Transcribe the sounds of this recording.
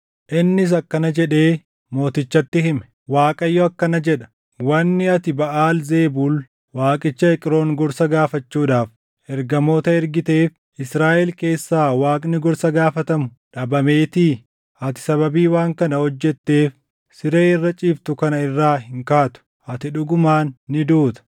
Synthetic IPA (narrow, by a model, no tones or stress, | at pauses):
ʔɪnːɪs̬ɐkːɐnɐd͡ʒɛᶑe̞ː | mo̞ːt̪ɪt͡ʃːɐt̪ːɪhɪmɛ | waːkʼɐjːɔɐkːɐnɐd͡ʒɛᶑɐ̥ | wɐnːɪɐt̪ɪbɐʔaːlze̞ːbuːl | waːkʼɪt͡ʃːɐɛkʼɪɾo̞ːŋɡɔɾsɐɡaːfɐt͡ʃːuːᶑaːf | ʔɛɾɡɐmo̞ːt̪ɐɛɾɡɪt̪e̞ːf | ʔɪsɾaːʔɛlke̞ːsːaːwaːkʼnɪɡɔɾsɐɡaːfɐt̪ɐmʊᶑɐbɐmeːt̪iː | ʔɐt̪ɪ̥sɐβɐbiːwaːŋkɐnɐhɔd͡ʒːɛt̪ːe̞ːf | sɪɾeːɪrːɐt͡ʃʼiːft̪ʊkɐnɐɪrːaːhɪŋkaːt̪ʊ̥ | ʔɐt̪ɪᶑʊɡʊmaːnːɪd̪uːt̪ɐ̥